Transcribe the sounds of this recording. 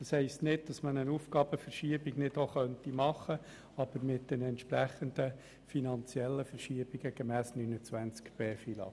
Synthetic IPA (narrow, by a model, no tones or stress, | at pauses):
d̥ɑshɛɪstnɪd̚d̥ɑsmənənuːfɡ̥ɑːb̥əfəɾʃiəbiɡnɪdoχœntimɑχə | ɑb̥əɾmɪt̚d̥ɛnɛnt̪ʃpɾæχənd̪ə | finɑnt͡sjɛlːəfəɾʃiəb̥iɡəɡ̥ɛmæːsnynət͡sʋænt͡skb̥eːfilɑ̰